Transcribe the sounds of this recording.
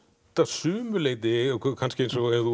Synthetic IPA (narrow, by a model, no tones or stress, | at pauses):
t̪asʏːmʏleːjt̪̬ɪkʰkʰanscɪejnsɔɛðu